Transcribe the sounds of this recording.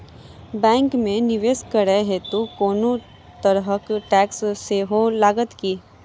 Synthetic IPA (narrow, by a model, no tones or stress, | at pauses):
bɛ̃ːŋkmẽnɪʋeːskəɾəɦet̪okoːno | t̪əɾɦəkʈɛːksseɦolaːɡət̪kiː